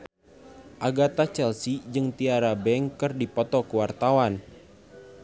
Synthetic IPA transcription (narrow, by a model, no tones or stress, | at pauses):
ʔaɡat̪at͡ʃɛlsid͡ʒɨŋt̪iaɾabɛŋkɨrdipɔt̪ɔkəwart̪awan